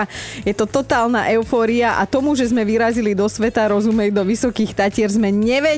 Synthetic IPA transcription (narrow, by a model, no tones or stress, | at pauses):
jɛt̪ɔt̪ɔt̪aːlnaʔɛʊfɔːɾiaʔa̰t̪ɔmuʒɛzmɛʋiɾazilid̪ɔsʋɛt̪aɾɔzumɛjd̪ɔʋisɔkiːxt̪acɪɛɾzmɛɲɛʋɛ